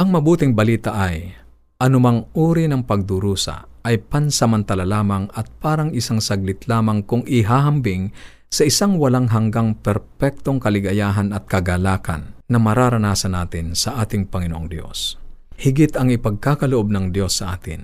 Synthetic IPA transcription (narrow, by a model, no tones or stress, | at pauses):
ʔɐŋmɐbuːt̪ɪŋbɐliːt̪ɐʔɐj | ʔɐnʊmaŋʔuːɾinɐŋpɐɡ̚d̪ʊɾuːsɐ̰ʔɐjpɐnsɐmɐnt̪ɐlalaːmɐŋɐt̪̚paːɾɐŋɪsaŋsɐɡ̚lɪt̪laːmɐŋkʊŋʔɪɦaːɦɐmbɪŋ | sɐʔɪsaŋwɐlaŋɦɐŋɡaŋpɛɾpɛk̚t̪oŋkɐlɪɡɐjaːɦɐnɐt̪̚kɐɡalaːkʰɐ̰nːɐmɐɾaːɾɐnaːsɐnaːt̪ɪnsɐʔaːt̪ɪŋpɐŋɪnoʔoŋd̪jo̞̰shɪɡɪt̪ɐŋɪpɐɡ̚kaːkɐloʔob̚nɐŋd̪jo̞sːɐʔaːt̪ɪ̰n